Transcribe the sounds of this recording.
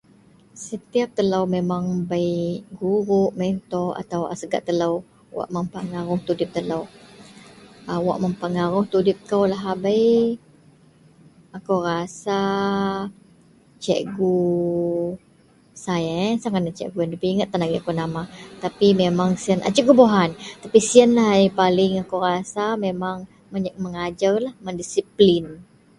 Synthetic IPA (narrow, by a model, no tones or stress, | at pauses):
sət̪iap̚t̪əlawmemaŋbajɡuɾʊʔment̪ɔa̰t̪awa̰səɡa̰ʔt̪əlaw | wa̰ʔməmpəŋaɾʊŋt̪udɪp̚t̪əlaw | əwa̰ʔməmpəŋaɾʊŋt̪udɪp̚kawlaɦabaj | akowɾasa | t͡ʃɛʔɡu | sajasaŋanat͡ʃɛ̰ʔɡujandapiiŋət̪ːanaɡiakonamat̪apimemaŋsiəna̰t͡ʃəʔɡuboɦant̪apisiənlaɦipalɪŋakowɾasamemaŋ | məɲməŋad͡ʒarlahmandisiplin